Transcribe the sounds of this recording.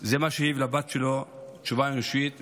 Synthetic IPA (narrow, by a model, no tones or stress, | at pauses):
zemaʃeivlabat̪ʃelot͡ʃuvaʁiʃwit̪